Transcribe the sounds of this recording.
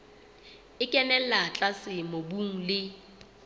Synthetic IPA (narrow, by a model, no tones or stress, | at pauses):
ɪkʼɛnɛlat͡ɬʼasɪmobuŋ̩lɪ